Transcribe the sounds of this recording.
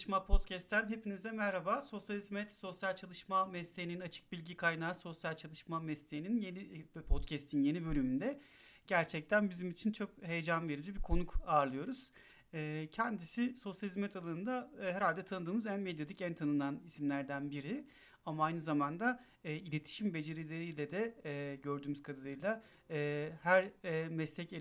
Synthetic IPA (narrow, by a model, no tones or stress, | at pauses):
ʃmapʰo̞t̪cʰɛst̪ʰːænɦe̞pinizd̪ɛmæɾhabaːso̞sjalʲizmɛt̪so̞sjalʲt͡ʃʰalˠɯʃmamɛst̪ʰejininat͡ʃʰɯ̥k̚bilʲɟikʰajnaːso̞sjalʲt͡ʃʰalˠɯʃmamɛst̪ʰeininjenipʰot̪cʰɛst̪ʰinje̞nibø̞lʲymynd̪ɛ | ɟ̥æɾt͡ʃʰɛc̚t̪ʰænbizimit͡ʃʰint͡ʃʰo̞khe̞jed͡ʒanve̞ɾid͡ʒibikʰo̞nukaːɾlˠɯjo̞ɾuz̥ | ɛːcʰɛnd̪isiso̞sjalʲizmɛt̪ʰalˠaɯnd̪ahɛɾalʲd̪ɛt̪ʰanɯd̪ɯːmɯzænmɛd̪jad̪icænt̪ʰanɯnanisimlʲæɾd̪ænbiɾi | amaajnɯzamand̪aː | ilʲe̞t̪ʰi̥ʃimbe̞d͡ʒe̞ɾilʲe̞ɾijlʲɛd̪ɛɟø̞ɾd̪yːmyz̥kʰad̪ad̪ɯjlˠa | hæɾmɛslʲɛce